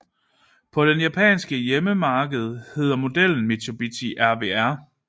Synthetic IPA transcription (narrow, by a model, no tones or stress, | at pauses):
pʰɒ̽d̥enjæpʰɛ̰ːnsɡ̥əjeməmɑ̈ːɡ̥əð̞̩ˠhe̝ð̰ˠɐmo̝d̥el̰n̩met͡sʰob̥it͡sʰiʔæɐʋḛæɐ̰